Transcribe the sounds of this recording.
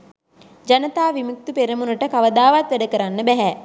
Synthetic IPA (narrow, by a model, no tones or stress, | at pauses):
d͡ʒanət̪aːʋimuk̚t̪upeɾəmunəʈəkaʋəd̪aːʋat̪ʋæɖəkəɾanːəbæɦɛ